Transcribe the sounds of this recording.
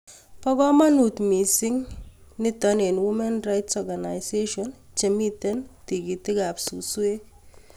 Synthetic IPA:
pa˦ɡa˦ma˦nu˨t̪mi˨sɪŋnɪ˦t̪ane˨nwu˦mɛ˦nɾajtsɔɡana˨jseʃɔn | t͡ʃemi˦t̪ɛ˦nt̪i˨ɡi˨t̪ɪ˦ɡa˨psusu˦e˦

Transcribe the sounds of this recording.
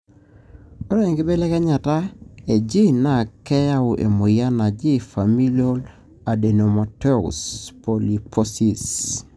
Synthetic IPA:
o˦na˦i˨ŋɡɪ˦be˦lɛ˦kɛ˦ɲa˨ta˦e˨d͡ʒi˦na˨kɛ˦ja˦˨ʔḛ˨mo˨ja˦na˨d͡ʒi˦fa˨mi˦lo˦l | a˨de˨no˨mo˨te˦ṵ˨spo˨li˨pʰo˦si˨s

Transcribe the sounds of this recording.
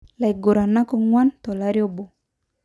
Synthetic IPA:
la˨i˨ɡo˨ɾa˨na˦kɔ˦ŋwa˦ntɔ˨la˦ɾjɔ˦bɔ˨

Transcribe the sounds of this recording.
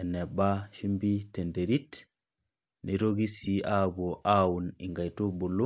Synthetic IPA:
ɛ˨ne˨ba˦ʃu˦mbi˦te˨nde˨ɾi˦t | ni˨ɾo˦ɡi˦sia˦bo˨ʔa˦wuni˨ŋɡa˨jto˦bo˨lːu˦

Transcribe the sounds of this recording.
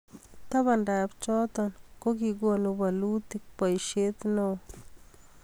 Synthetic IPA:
t̪a˦ba˧˨nɾa˧bt͡ʃo˦t̪o˧nko˦ɡi˧ɡo˧nu˧ba˧lu˦t̪i˧k̚pa˨jʃe˦d̪no˧

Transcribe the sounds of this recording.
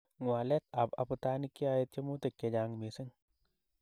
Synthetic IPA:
ŋwa˨le˦t̪a˨pa̰˨pɨ˧t̪a˦ni˦ki˦a˧je˧t̪je˦mu˦t̪e˨kːe˨d͡ʒa˧ŋme˨sɪ˦ŋ

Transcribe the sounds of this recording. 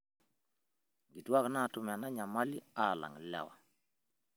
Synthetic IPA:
ɡi˨twa˦kna˦˨tʊ˦m˨a˨na˦ɲa˨ma˦li˦a˦˨la̰˨ŋ˨lɛ̰˨wa̰˨

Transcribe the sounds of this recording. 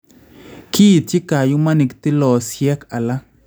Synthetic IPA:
ki˦˨t͡ʃi˦ka˨jo˦ma˦ni˨kt̪ɪ˦lɔ˨sjɛ˦ka˨la˦

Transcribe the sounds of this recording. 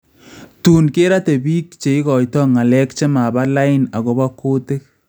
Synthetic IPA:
tuː˨nke˦ɾa˦te˨biː˦kt͡ʃe˨i˦kɔ˨jtɔ˦ŋa˨lɛ˦kt͡ʃe˦ma˨ba˦la˦ɪ˦na˨ɣo˨ba˦kʰːoː˦te˦k̚

